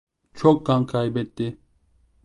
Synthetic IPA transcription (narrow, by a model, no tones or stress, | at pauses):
t͡ʃʰɔk̚ɡaŋkʰajbɛt̪ːi